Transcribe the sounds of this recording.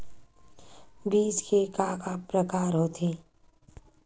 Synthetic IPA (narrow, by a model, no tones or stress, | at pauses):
biːd͡ʒkʰekaːkapɾəkaːɾɦoːt̪ʰeː